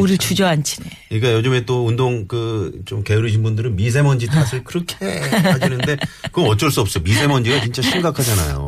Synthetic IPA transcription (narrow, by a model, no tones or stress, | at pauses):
uɾit͡ɕud͡ʑʌant͡ɕʰineɲik͈ajod͡ʑɯmet͈oundoŋkɯt͡ɕomke̞uɾɯɕ̬ʰinbundɯɾɯnmis̬ʰe̞mʌnd͡ʑitʰasʰɯɭkɯɾʌkʰe̞aɕ̬ʰinɯnde̞kɯʌmʌt͡ɕ͈ʌɭs͈uʌp̚s͈ʌjomisʰe̞mʌnd͡ʑiɡat͡ɕint͡ɕ͈aɕʰimɡakʰad͡ʑana̰jo̰